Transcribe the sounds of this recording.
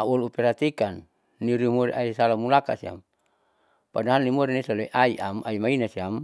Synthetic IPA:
aolupɛɾat̪ikanː | iɾimoɾḭʔaisalamulaka̰sia̰m | padaɦanːimoɾinisaleʔaiʔamaimainasiam

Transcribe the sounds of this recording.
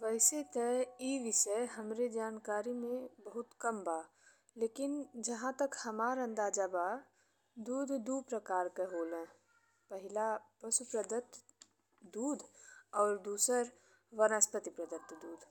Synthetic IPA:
ʋəɪset̪ɛiʋɪʃəɦəmɾed͡ʒaːnkaːɾimẽbəɦʊt̪kəmbaː | leːkɪnd͡ʒɐɦãt̪əkhəmaːɾə̃nd̪aːd͡ʒaba | d̪uːd̪ʱd̪uːpɾəkaːɾkeɦoːlɛ̃ | pəɦɪlapɾəsupɾəd̪ət̪ | d̪uːd̪ʱɔːɾd̪uːsəɾ | ʋənəspət̪ipɾəd̪ət̪d̪uːd̪ʱ

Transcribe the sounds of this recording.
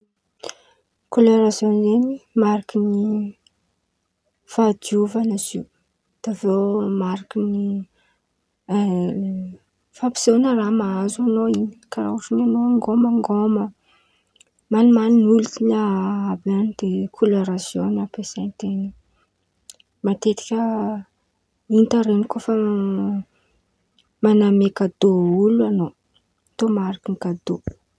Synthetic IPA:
koloɾasjonzenimaɾakini | fad̪iuvanaziw | d̪̥avewmaɾakini | fapi̥sonəramaazanoini̥kaɾa̰uʈ͡ʂinanoaŋɡomaŋɡomə | manimaninulut̪inaabanid̪̥ekʰulaɾasjonapesant̪eni | mat̪et̪i̥kʲə | int̪aɾenikofə | manamekad̪ouluano | t̪omaɾakiŋkad̪o

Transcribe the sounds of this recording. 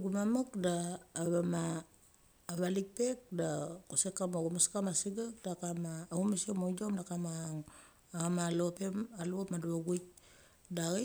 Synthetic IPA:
ɡumamakdaːβamaː | βalik̚pe̞k̚dakusekːamoɡumaskamasiɡak̚dakamaumasiomod͡ʒomdakamaŋ | aamalopemaluomaduaɡujk̚ | daɣi

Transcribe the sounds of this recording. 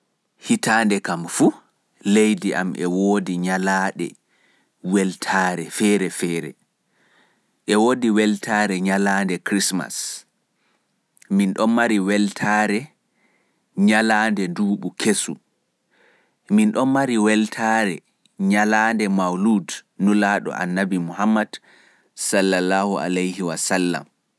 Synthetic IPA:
hitandɛkamfu | lejdiʔa̰mʔɛ̰woːdiɲalaːɗɛ̰ | wɛltʰaːɾɛfɛːɾɛfɛːɾɛ̰ | ʔɛwoːdiwɛltʰaːɾɛɲalaːndɛkɾisma̰s | minɗɔnmaɾiwɛltʰaɾɛ | ɲalaːndɛnduːɓukʰesṵ | minɗɔmaɾiwɛltʰaːɾɛ | ɲalandɛmawludnulaːɗɔ̰ʔa̰nːabimuhamːad̥ | salːalaːhua̰lejhiwasalːa̰m

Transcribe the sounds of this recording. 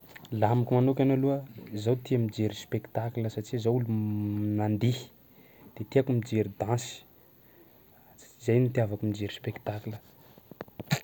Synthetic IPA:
lamikʲumanokʲanoluəzawt̪iamid͡ʒeɾispekt̪akləsaʈ͡ʂizawulunand̪i̥ | d̪̥et̪iakumid͡ʒeɾid̪ãnsi̥ | izajnut̪iavakumid͡ʒeɾispekt̪aklə

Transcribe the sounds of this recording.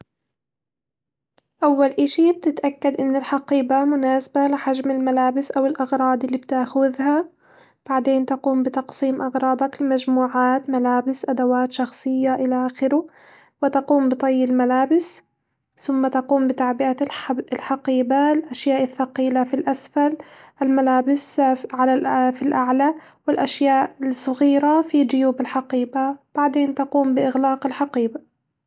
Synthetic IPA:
ʔawːalʔɪʃit̪ɪt̪ʔakːad̪ʔɪnːɪlħɑqiːbamʊnaːsabalɪħaʒmɪlmalaːbɪsʔawɪlʔɑɣɾˤɑːd̪ˤɪlːiːbt̪aːxʊðha | b̥aʕd̪eːnt̪aquːmbɪt̪ɑqsˤiːmʔɑɣɾˤɑːd̪ˤɑklɪmaʒmuːʕaːt̪malaːbɪsʔad̪awaːt̪ʃɑxsˤɨjːaʔɪlaʔaxɪɾʊ | wɪt̪aquːmbɨt̪ˤɑjːɪlmalaːbɪs | θʊmːat̪aquːmbɪt̪aʕbɪʔalħɑqiːbalʔaʃjaːʔɪθːɑqiːlafilʔasfalʔɪlmalaːbɪsʕalalfilʔaʕla | wɪlʔaʃjaːʔsˤɑɣiːɾafid̪ʊjuːbɪlħaqiːbab̥aʕd̪eːnt̪aquːmbɪʔɪɣlaːqɪlħɑqiːba

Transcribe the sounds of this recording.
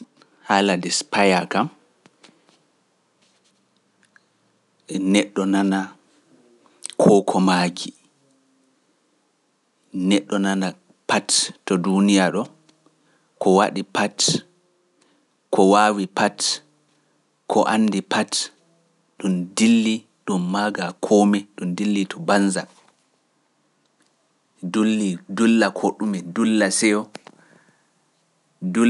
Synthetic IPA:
haladɛspajakam | ɛnɛɗːɔnana | kʰɔkʰɔmaɡi | nɛɗːɔnana | pattɔdunijaɗɔ | kɔwaɗipat | kʰɔwaːwipat | kʰɔʔanːdipʰat | ɗumdilːi | ɗumːaɡakʰɔmɛɗumdilːitʰɔbanza | dulːidulːakʰɔɗumɛdulːasɛjɔ | du

